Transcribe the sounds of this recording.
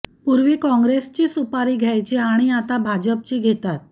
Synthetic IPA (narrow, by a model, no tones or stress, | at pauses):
puɾʋiːkɔ̃ŋɡɾest͡ɕiːsupaɾiːɡʱjajt͡ɕeaɽ̃iat̪abʱad͡ʑəp̚t͡ɕiːɡʱet̪at̪̚